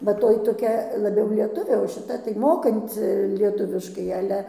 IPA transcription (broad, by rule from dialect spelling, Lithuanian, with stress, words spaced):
bʲɛt ˈtoːj toːˈkʲɛ lˠɐˈbʲɛʊ lʲiɛˈtʊʋʲeː oː ʃʲɪˈtɐ tɐɪ ˈmoːkɐnʲt͡sʲɪ lʲiɛˈtʊʋʲɪʃkɐɪ ɐˈlʲɛ